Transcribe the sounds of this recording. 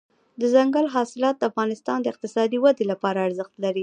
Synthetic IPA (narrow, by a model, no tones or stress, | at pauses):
d̪əzaŋɡalɦɑsɪlɑt̪̚d̪əafɣɑnɪst̪ɑnd̪əɪq̚t̪ɪsɑd̪iwad̪elapɑɾaːɾzəxt̪laɾi